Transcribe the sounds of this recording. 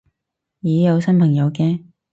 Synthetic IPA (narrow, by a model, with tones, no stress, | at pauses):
jiː˨˥jɐ˨˧wsɐ˥npʰɐ˨˩ŋjɐ˨˧wkɛː˧